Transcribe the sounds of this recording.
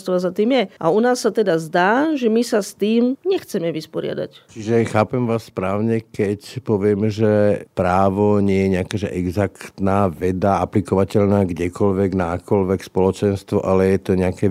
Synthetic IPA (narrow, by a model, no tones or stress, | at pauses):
st̪ʋɔazat̪iːmjɛʔa̰unaːsːat̪ɛd̪azd̪aːʒɛmisast̪iːmɲɛxt͡sɛmɛʋispɔɾɪa̰d̪a̰ct͡ʃiʒɛxaːpɛmʋaːsːpɾaːʊɲɛkɛcpɔʋɪɛmʒɛpɾaːʋɔɲɪɛjɛɲɛakɛːʒɛʔɛɡzakt̪naːʋɛd̪aaplikɔʋacɛʎnaːɡɟɛkɔlʋɛɡnaakɔlʋɛkspɔlɔt͡ʃɛnst̪ʋɔʔalɛjɛt̪ɔɲɛakɛ